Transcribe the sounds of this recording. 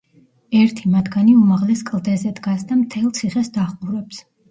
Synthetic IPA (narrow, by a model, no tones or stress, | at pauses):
ɛɾt̪ʰimat̪ʰɡaniumaʁlɛskʼlˠd̪ɛzɛd̪ɡasd̪amt̪ʰɛlˠt̪sʰiχɛsd̪aχʼuɾɛps